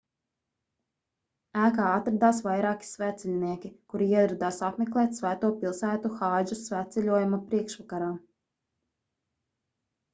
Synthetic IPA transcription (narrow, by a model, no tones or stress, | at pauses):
æːkaːat̪ɾad̪aːs̬vajɾaɑːkʲi̥svæːt̪sɛlʲniɛkʲikuɾiiɛd̪ɾad̪aːsapmɛklˠɛːt̪ʲsvæːt̪uɔpilˠsæːt̪uxaːʒusvæːt̪sɛlʲuɔjumapɾiɛkʃvakaɾaː